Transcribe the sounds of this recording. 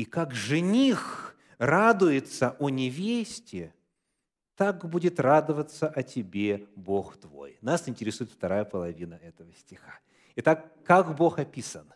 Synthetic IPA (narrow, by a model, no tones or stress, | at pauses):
ikakʐɨnʲix | rad̪ʊjɪt̪səʔɔnʲɪvʲesʲtʲɪ | t̪akbudʲɪt̪rad̪əvət̪səʔɐtʲɪbʲebo̞xt̪vo̞̰jnasɪnʲtʲɪɾʲɪsujɪt̪ft̪ɐɾajəpəlˠɐvʲinəɛt̪əvəsʲtʲɪxḁ | ɪt̪akːakbo̞xɐpʲisən